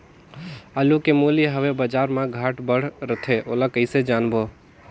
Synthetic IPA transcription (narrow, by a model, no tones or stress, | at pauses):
alukemoːliɦəʋebəd͡ʒaːɾmãɡʱaːʈbəɽ̤ɾət̪ʰeʔoːlakəɪsed͡ʒaːnbo